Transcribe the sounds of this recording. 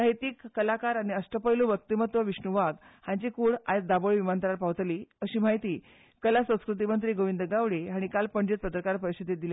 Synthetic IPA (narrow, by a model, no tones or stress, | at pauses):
aɦit̪iːkːəlakaɾañiəsʈəpəjlũʋək̚t̪imət̪ʋəʋiɕɳuʋaɡ̪hãɲt͡ɕikuːɽajt͡s̚d̪aboɭʋimant̪əɾaɾpaʋt̪liːəɕiːm̤aɦit̪iː | kəlasə̃w̃skɾut̪̬imənt̪ɾiːɡoʋind̪əɡaʋɽeɦaɽ̃ikalpəɳd͡ʑet̪̚pət̪ɾəkaɾpəɾisid̪ʱit̪̚d̪ile